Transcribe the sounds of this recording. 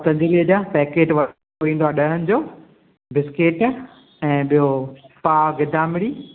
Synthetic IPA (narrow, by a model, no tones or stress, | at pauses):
t̪ɐ̃ɲd͡ʑilid͡ʑapɛːkeːʈʋɐ | oʋĩːn̆d̪oaːɗɐɦənɪ̆d͡ʑoː | bɪskeːʈ | ɛ̃ːɓijopaːɡɪd̪ʱaːmɪɽiː